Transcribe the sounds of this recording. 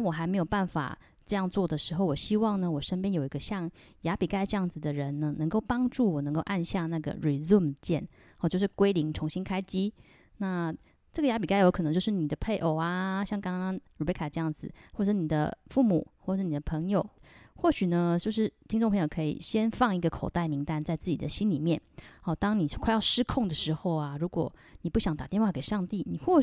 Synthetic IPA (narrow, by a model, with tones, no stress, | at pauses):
nwɔ˨˩xa˧ɪme˧˥ɪjo˨˩ʊpa˥˩nfa̰˨˩ | ʈ͡ʂɤ˥˧jɑ˥˧ŋt͡swɔ˥˩d̪ə˩ʂɻ̩˧˥xo˥˩ʊwɔ˨˩ɕi˥wɑ˥˩ŋnə˩wɔ˨˩ʂə˥npjɛ˥njo˨˩ʊi˧˥ɡə˧ɕjɑ˥˩ŋ | ja˧˥pi˨˩ka˥˧ɪʈ͡ʂɤ˥˧jɑ˥˩ŋd͡zɹ̩˨˩d̪ə˩ɻə˧˦nnə˧nɤ˧˥ŋko˥˩ʊpɑ˥ŋʈ͡ʂu˥˩wɔ˨˩nə˧˥ŋko˥˧ʊʔa˥˧nɕja˥˧na˥˩ɡə̰˩ɻi˨˩zu˥˩mt͡ɕjɛ̰˥˩n | ɔ˧˩t͡ɕjo˧ʊʂɻ̩˥˩kwe˥ɪli˧˥ŋʈ͡ʂʰʊ˧˥ŋɕi˥nkʰa˥ɪt͡ɕi˥ | na˥˩ | ʈ͡ʂɤ˥˩ɡə˩ja˧˥p̬i˨˩ka˥ɪjo˧˥ʊkʰɤ˨˩n˧˦t͡ɕjo˥˧ʊʂɻ̩˥˩ni˨˩d̪ə˦pʰe˥˩ɪʔo˨˩ʊa˧ɕjɑ˥˩ŋkɑ˥ŋɑ˥ŋɻu˨˩e˥˧kʰa˥˩əʈ͡ʂɤ˥˧jɑ˥˩ŋd͡zɹ̩˨˩wɔ˥˩ʈ͡ʂə˨˩ʂ̩˥ni˨˩d̪ə̰˦fu˥˩mu˨˩xwɔ˥˩ʂɻ̩˥˩ni˨˩d̪ə˩pʰɤ˧˥ŋjo˨˩ʊxwɔ˥˩ɕy˨˩nə˦t͡ɕjo˥˧ʊʂɻ̩˥˩t̪ʰi˥ŋʈ͡ʂʊ˥˩pʰŋjo˨˩kʰɤ˧˥ḭ˨˩ɕjɛ˥nfɑ˥˩ŋi˧˥ɡə˧kʰo˨˩ʊt̪a˥˩ɪmi˧˥ŋt̪a˥˧nt͡sa˥˧ɪt͡sɹ̩˥˩t͡ɕi˨˩d̪ə̰˦ɕi˥nli˨˩mjɛ˥˩nxɔ˥˩t̪ɑ˥ŋni˨˩kʰa˥˧ɪjɑ˥˧ʊʂɻ̩˥kʰʊ˥˩ŋd̪ə˩ʂɻ̩˧˥xo˥˩ʊa˩ɻu˧˥kwɔ̰˨˩ni˨˩pu˥˩ɕjɑ˧˥ŋt̪a˨˩t̪jɛ˥˧nxwa˥˩ke˨˩ɪʂɑ˥˧ŋt̪i˥˩ni˨˩xwɔ˥˩